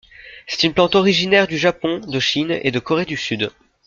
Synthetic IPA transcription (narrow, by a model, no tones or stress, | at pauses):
sɛ̥t̪ynplɑ̃t̪ɔʁiʒinɛʁd̪yʒapɔ̃d̪əʃinḛd̪əkɔʁed̪ysyd̪